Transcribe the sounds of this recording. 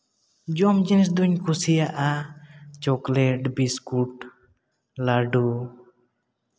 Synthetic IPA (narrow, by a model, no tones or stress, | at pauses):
d͡ʒɔmd͡ʒinis̬d̪uɲkʰusijaʔat͡ʃɔklɛʈbiskuʈ | laɖu